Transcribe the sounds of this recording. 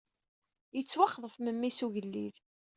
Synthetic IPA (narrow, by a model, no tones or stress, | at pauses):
jət͡sːwaχðˤəfməmːisuʝəlːið